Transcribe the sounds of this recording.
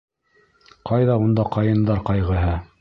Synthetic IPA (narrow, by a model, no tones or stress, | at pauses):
qɑjðɑund̪ɑqɑjɤ̆nd̪ɑɾqɑjʁɤ̆ɦɤ